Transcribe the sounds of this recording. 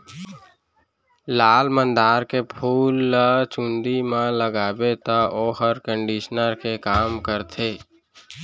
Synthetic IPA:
laːlmə̃nd̪aːɾkepʰuːlt͡ʃũnd̪imãləɡaːbet̪aʔoːɦəɾkə̃ɳɖiʃnəɾkekaːmkəɾt̪ʰeː

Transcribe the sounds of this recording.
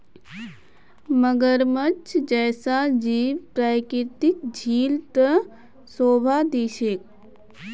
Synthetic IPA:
məɡəɾmət͡ʃʰd͡ʒɛːsad͡ʒiːʋpɾaːkɪt̪ɪk̚d͡ʒʱiːlt̪ə | soːbʱad̪iːʃek̚

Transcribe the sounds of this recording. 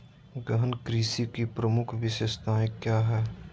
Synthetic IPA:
ɡəɦənkɾiːsikipɾəmʊkʰʋɪʃest̪ãːkjaːɦɛː

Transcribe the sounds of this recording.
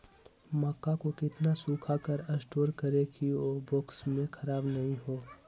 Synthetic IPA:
mɔːkːakokɪt̪nasuːkʰakɐɾɐsʈoːɾkɐɾekioboːksmẽkʰɐɾaːbnɐɦĩɦoː

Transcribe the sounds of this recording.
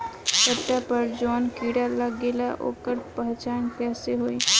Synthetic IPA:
səʈːapəɾd͡ʒɔːnkiːɽaləɡeːlaʔo̰ːkəɾpəɦt͡ʃaːnkɛːseɦoːi

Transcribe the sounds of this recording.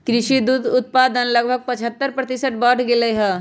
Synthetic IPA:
kɾɪʃid̪uːd̪ʊt̪̚paːd̪ənləɡ̚bʱəɡ̚pət͡ʃʰɦət̪ːəɾpɾət̪ɪsəʈbəːʈʰɡeleɦɛ

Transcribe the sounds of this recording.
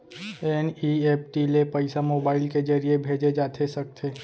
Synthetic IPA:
ɛnieːpʈilepəɪsamoːbaːɪlked͡ʒɐɾiebʱeːd͡ʒed͡ʒaːt̪ʰesɐk̚t̪ʰeː

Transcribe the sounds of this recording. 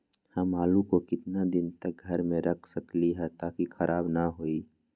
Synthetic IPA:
hɐmaːlukokɪt̪nad̪ɪnt̪ək̚ɡʱɐɾmẽɾʔəkʰsəkliɦɛt̪aːkikʰəɾʔaːbnəɦoːiː

